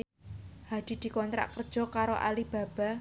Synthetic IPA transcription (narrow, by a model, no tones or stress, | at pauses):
had̪̥i̤d̪̥i̤kɔnt̪ɾa̰ʔkərd̥ʒ̥ɔ̤kaɾoʔa̰lib̥a̤b̥a̤